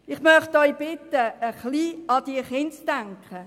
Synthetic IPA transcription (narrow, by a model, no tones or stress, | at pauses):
ɪχmœχtɔʏb̥ɪtəəχliːɑd̥̪iːχɪnt͡sd̥æŋkχə